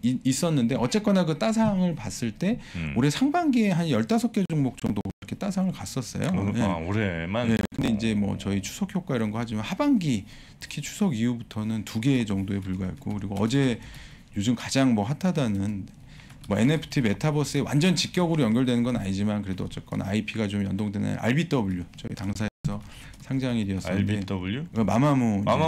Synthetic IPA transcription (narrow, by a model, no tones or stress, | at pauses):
is͈ʌnːɯnde̞ʌt͡ɕ͈e̞k͈anakɯt͈asʰaŋɯɭpas͈ɯɭt͈e̞oɾe̞sʰaŋbaŋɡieɦanjʌɭt͈asʰʌk͈e̞d͡ʑuŋmok̚t͡ɕ͈ʌŋdoɾʌkʰet͈asʰaŋɯɭkas͈ʌs͈ʌ̰jo̰jeeje̞kɯnde̞ind͡ʑe̞mwʌ̰t͡ɕʌit͡ɕʰu̥sʰʌkʰjok͈aiɾʌnɡʌhad͡ʑimanhabaŋɡi | tʰɯ̥kʰit͡ɕʰu̥sʰʌɡijubutʰʌnɯntuɡe̞d͡ʑʌŋdoe̞puɭɡaḛt̚k͈okɯɾiɡoʌd͡ʑe̞ | jod͡ʑɯmkad͡ʑaŋmʌɸatʰadanɯn | mʌe̞ne̞pʰɯ̥tʰibe̞tʰabʌs͈ɯe̞wa̰nd͡ʑʌnt͡ɕik͈jʌɡɯɾojʌnɡjʌɭdwe̞nɯnɡʌnaɲid͡ʑimankɯɾe̞doʌt͡ɕ͈ʌt̚k͈ʌ̰na̰ipʰiɡat͡ɕomjʌndoŋdwe̞na̰ʔa̰ɭbit͈ʌbuʎːot͡ɕʌḭtaŋs̬ʰaesʰʌ | sʰaŋd͡ʑaŋiɾiʌs͈ʌieuma̰mamo